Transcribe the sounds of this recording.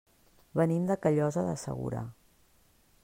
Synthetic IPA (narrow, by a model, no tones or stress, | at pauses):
βənimd̪əkəʎɔzəðəsə̰ɣṵɾa̰